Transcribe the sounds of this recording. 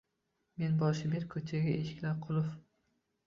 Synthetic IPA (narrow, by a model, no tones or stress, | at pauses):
me̞nbɒʃɪbeɾkʰɵt͡ʃʰaɡʲaeʃɪ̥kʲlaɾqʰʊlˠʊf